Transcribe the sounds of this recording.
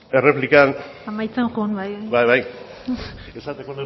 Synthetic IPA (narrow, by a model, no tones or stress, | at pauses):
e̞re̞plikan | amajt͡senxonbajbajβaj | esat̪ekone